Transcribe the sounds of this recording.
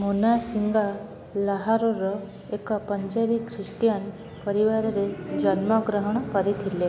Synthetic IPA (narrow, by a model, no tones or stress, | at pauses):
monasiŋɡa | laɦaɾoɾɔ | ekapəɲd͡ʒabikʰɾiʂʈjan | pəɾiʋaɾaɾed͡ʑənməɡɾəɦəɳ̃kaɾit̪ʰile